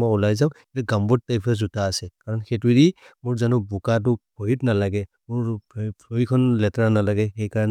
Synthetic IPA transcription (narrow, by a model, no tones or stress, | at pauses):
mɔjulajzaʊ̃itɛɡambɔt̚taipʰazutaːsɛkaɹɔnxɛtuɾimʊɹzanʊbukat̬ʊkoitnalaɡɛ | mʊɹpʰojkʰɔnlɛtɹanalaɡɛxɛjkaɹan